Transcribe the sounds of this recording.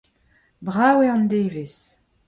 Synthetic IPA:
bʁaːweɑ̃nd̪eːvis

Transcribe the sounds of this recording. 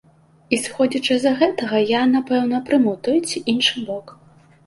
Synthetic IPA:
isxɔd͡zʲɐt͡ʂɨzɐɣɛt̪ɐɣɐjanapɛwn̪ɐpɾɨmut̪ɔjt͡sʲiʔinʂɨbɔk

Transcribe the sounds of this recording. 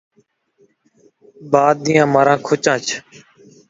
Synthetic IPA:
baːd̪̚d̪ĩːjãːmaːɾãːkʰʊt͡ʃãːt͡ʃʰ

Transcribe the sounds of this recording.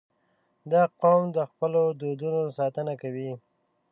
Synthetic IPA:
d̪ɑqomd̪əxpəlod̪od̪unosɑt̪ənakawi

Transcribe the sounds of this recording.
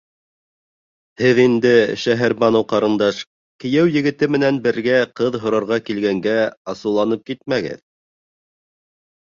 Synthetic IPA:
hɘðind̪ɘʃæɦæɾbɑnŏwqɑɾɤ̆nd̪ɑʃ | kɘ̆jæwjɘ̆ɡɘ̆t̪ɘmɘ̆nænbɘ̆ɾɡæqɤðɦŏɾɑɾʁɑkilɡæŋɡæɑsɤ̆wlˠɑnɤp̚kit̪̚mæɡɘ̰ð

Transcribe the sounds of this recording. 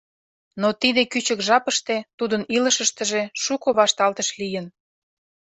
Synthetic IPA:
not̪id̪ekyt͡ɕəkʒɑpəʃt̪et̪ud̪əniləʃəʃt̪ə̆ʒeʃukoβɑʃt̪ɑlt̪əʃlijən

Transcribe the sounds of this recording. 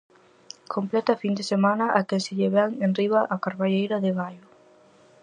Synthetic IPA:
kʰomplɛt̪ɐfind̪esemanɐʔakesɪʎeβɛŋenriβaʔakaɾβaʎejɾʊðɪβajʊ

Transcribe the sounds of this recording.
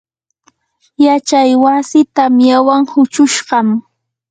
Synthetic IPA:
jat͡ʃajwasɪt̪amjawaŋhʊt͡ʃʊʃɢɑm

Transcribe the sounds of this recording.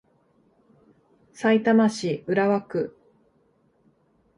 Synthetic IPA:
sait̪amaɕiɯ̟ɾaβakɯ̟

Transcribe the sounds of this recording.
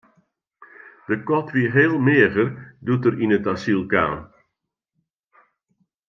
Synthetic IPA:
d̥əkɔtʰʋiɦeːlˠmɪəɣərdutəɾinətasilˠka̰ːn

